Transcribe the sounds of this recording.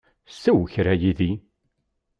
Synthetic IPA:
sːæwçɾæjiði

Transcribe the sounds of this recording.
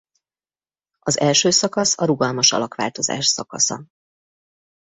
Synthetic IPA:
ɒzɛlʃøːsɒkɒsɒɾuɡɒlmɒʃɒ̰lɒkʋa̰ːlt̪o̞za̰ːʃsɒkɒ̰sɒ̰

